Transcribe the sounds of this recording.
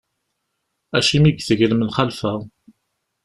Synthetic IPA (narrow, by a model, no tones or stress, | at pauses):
æʃimiɡθəʝəlmənχalfæ